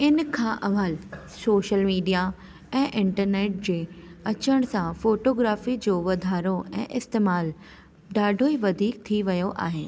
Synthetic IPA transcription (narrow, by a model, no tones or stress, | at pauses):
ɪnkʰãʔɐʋaːl | soːʃəlmiːɖija | ɛ̃ːʔɪ̃ɳʈəɾneːʈ̚d͡ʑeːɐt͡ɕəɽ̃sãfoːʈoːɡɾaːfid͡ʑoːʋɐd̪ʱaːɾoɛ̰̃ːʔɪst̪eːmaːl | ɖaːɖʱoiʋɐd̪ʱiːk̚t̪ʰiʋɐjoʔa̰ːɦɪː